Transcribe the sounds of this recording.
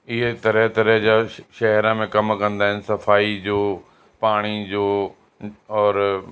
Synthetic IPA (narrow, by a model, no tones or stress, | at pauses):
ɪɦet̪ɐɾəɦt̪ɐɾəɦd͡ʑaːʃɐɦɾãmẽkɐmkɐ̃nd̪aːɦɪnɪ̆sɐfaːid͡ʑoː | paːɽ̃id͡ʑoː | ɔːɾ